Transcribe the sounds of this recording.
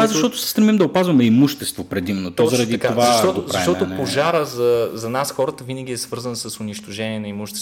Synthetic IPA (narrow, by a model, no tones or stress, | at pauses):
zɐʃt̪ɔt̪ʊ̥sɛ̥st̪ɾɛmimd̪ɐopazvɐmɛimuʃt̪ɛst̪vopɾɛd̪imɛnot̪ɔzɐɾɐd̪itk̪ovzaɐʃt̪ɔt̪ʊzɐʃt̪ɔt̪ʊpoʒaɾəzɐzɐnasxɔɾət̪əvinəɡʲiɛsvɤɾzənsɐsʊniʃt̪oʒɛniɛnɐimuʃt̪ɛ̥s